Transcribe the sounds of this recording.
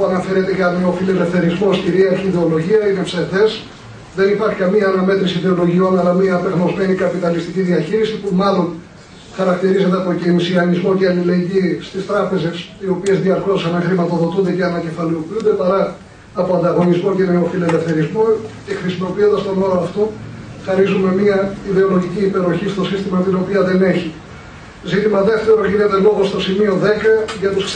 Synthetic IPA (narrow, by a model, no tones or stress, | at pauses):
puɐnɐfe̞ɾet̪e̞ʝɐme̞o̞filele̞fθe̞ɾizmo̞sciɾiɐçiðe̞o̞lo̞ʝiɐineseθe̞s | ðe̞nipɐɾçikɐmiɐːnɐme̞t̪ɾisiðe̞o̞lo̞ʝio̞nɐlɐmiɐːpeɣno̞zme̞nikɐpit̪ɐlist̪iciðiɐçiɾisipumɐlo̞n | xɐɾɐkt̪iɾized̪eɐpo̞cenisiɐnizmo̞ceɐlile̞ɲɟist̪ist̪ɾɐpe̞ze̞sio̞pie̞zðiɐɾkosɐnexɾimɐt̪o̞ðo̞t̪und̪e̞ce̞ɐnɐce̞fɐliopiund̪e̞pɐɾɐː | poɐnd̪ɐɣo̞nizmo̞ce̞neofile̞le̞fθe̞ɾizmoce̞xɾisimo̞piond̪ɐst̪o̞noɾoɐft̪oxɐɾizume̞miɐiðe̞o̞lo̞ʝiciːpe̞ɾo̞çist̪o̞sist̪imɐt̪ino̞piɐðe̞ne̞çi | zit̪imɐðe̞ft̪e̞ɾo̞ʝine̞t̪e̞lo̞ɣo̞st̪o̞simio̞ðe̞kɐʝɐt̪usk